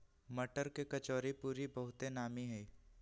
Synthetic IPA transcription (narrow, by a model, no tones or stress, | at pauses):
mɐʈəɾkekɐt͡ʃɔːɾipuːɾibɐɦʊt̪enaːmiɦɛː